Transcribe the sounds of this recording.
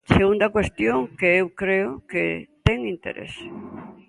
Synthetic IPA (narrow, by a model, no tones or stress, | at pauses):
seɣund̪ɐkwest̪joŋkeewkɾeʊket̪ɛŋint̪ḛɾʔḛs